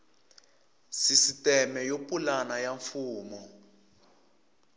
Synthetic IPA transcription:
sisitɛmɛjopʼulanajaɱfuːmɔ

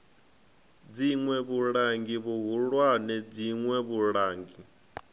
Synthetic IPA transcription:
d͡ziŋwɛβuɺaŋɡiβuɦuɺwanɛd͡ziŋwɛβuɺaːŋɡi

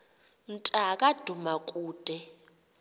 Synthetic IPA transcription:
ntʼakʼad̥ʱumakʼuːd̥ʱɛ

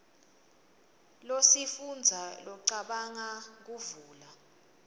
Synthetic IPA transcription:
losifund͡zʱalɔǀaɓaŋak̬uvuːla

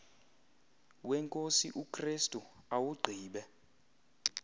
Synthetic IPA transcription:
wɛŋkʼosiʔukʰʼristʼuawuɡ͡ǀʱiːɓɛ

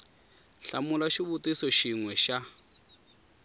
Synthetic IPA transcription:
ɬa̰mulaʃiβutisɔʃiŋwɛʃa

